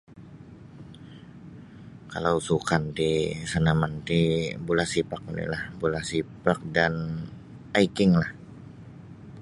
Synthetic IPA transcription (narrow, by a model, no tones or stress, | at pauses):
kalawsukant̪isanamant̪ibulahsipak̚unḭlahbulahsipak̚dan | ajkɪŋlah